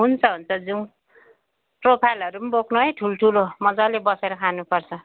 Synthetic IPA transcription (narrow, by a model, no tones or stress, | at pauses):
ɦunt͡sʰʌɦunt͡sʰʌd͡zuŋ | propʰajlɦʌɾumboknuɦʌjʈʰuloʈʰulomʌd͡zʌlebʌseɾʌkʰanupʌrt͡sʰʌ